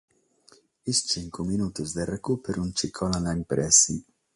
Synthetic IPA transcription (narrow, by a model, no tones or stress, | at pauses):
ist͡ʃiŋkuminuːt̪uzd̪erekupeɾuunt͡ʃikʰɔlanaimpɾɛsi